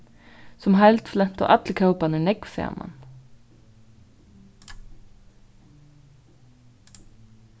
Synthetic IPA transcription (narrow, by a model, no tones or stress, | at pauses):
sɔmɦæɪlt̪flɛnt̪o̰ːʔɑt̪lɪkʰɑʉpɑnənɛɡfḛːmʔɑ̰n